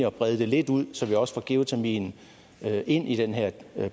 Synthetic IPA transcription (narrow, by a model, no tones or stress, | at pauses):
iɒ̽b̥ʁɛð̞ˠəd̥e̝le̝d̥uð̞̰ˠsɒ̽ʋiɒ̽sfɒɡ̥e̝ʊt͡sʰæmḭːn | øe̝n̰ʔid̥enɦeɐ̰